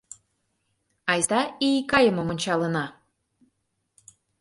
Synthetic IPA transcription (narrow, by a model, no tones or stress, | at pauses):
ɑjst̪ɑikɑjə̆mə̆monʲt͡ɕɑlə̆nɑ